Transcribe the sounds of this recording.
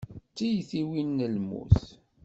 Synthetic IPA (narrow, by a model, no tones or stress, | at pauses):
t͡sːijθiwinːəlmṵθ